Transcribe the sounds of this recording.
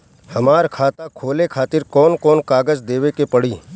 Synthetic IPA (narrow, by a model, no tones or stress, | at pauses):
hɐmaːɾkʰaːt̪akʰoːlekʰaːt̪ɪɾkɔːnkɔːnkaːɡəd͡ʒd̪eːʋekepɐɽiː